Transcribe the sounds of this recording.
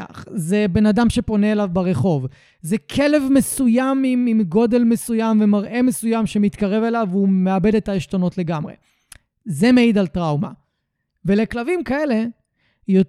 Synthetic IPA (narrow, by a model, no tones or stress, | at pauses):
a̰χzebe̞nadamʃe̞po̞ne̞ːlavbaʁe̞χo̞v | zekʰe̞le̞vme̞sujamimimɡo̞de̞lmesujamve̞maʁʔe̞mesujamʃe̞mit̪kaʁe̞ve̞lavume̞abe̞de̞taeʃto̞no̞tle̞ɡamʁḛ | ze̞meid̪altʁawma̰ | ve̞le̞klavimkae̞le | jo